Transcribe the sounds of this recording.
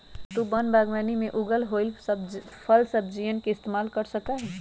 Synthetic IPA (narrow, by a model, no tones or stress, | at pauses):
t̪ubənbaːɡmaːnimẽʔʊɡəlɦolbpʰəlsəb̚d͡ʒijənkeɪst̪emaːlkəɾsəkaɦɛː